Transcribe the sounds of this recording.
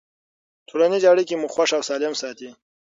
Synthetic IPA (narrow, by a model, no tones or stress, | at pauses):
t̪ʰoɽanizaɽikimuxwaʂawsɑːlɪmsɑːt̪i